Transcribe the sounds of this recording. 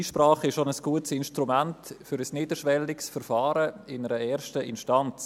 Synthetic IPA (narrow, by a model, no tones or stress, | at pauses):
iːʃpɾaːχɪʃonəsɡ̥uətsɪnʃtɾumæntfʏɾəsnɪːdəʃʋɛlɪksfəɾfɑːɾəɪnəɾəɛːɾʃtəʔɪnʃtɑnt͡s